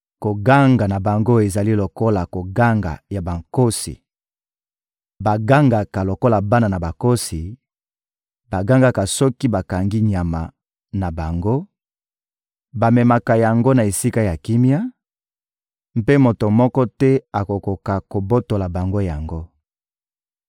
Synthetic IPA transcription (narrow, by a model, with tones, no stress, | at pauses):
ko˨ɡa˦ŋɡa˨na˨ba˨ŋɡo˦e˨za˨li˦lo˨ko˦la˨ko˨ɡa˦ŋɡa̰˨ja˨ba˨ŋko˦sḭ˨ | ba˨ɡa˦ŋɡa˨ka˨lo˨ko˦la˨ba˦na˨na˨ba˨ko˦si˨ | ba˨ɡa˦ŋɡa˦ka˨sɔ˦ki˦ba˨ka˨ŋɡi˦ɲa˨ma̰˨ | na˨ba˨ŋɡo˦ | ba˨mɛ˨ma˨ka˨ja˨ŋɡo˦na˨e˨si˦ka˦ja˨ki˦mja˦ | m̩˦pe˦mo˨to˨mɔ˦kɔ˦tɛ˦a˨ko˨ko˨ka˨ko˨bo˦to˨la˨ba˨ŋɡo˦ja˨ŋɡo˦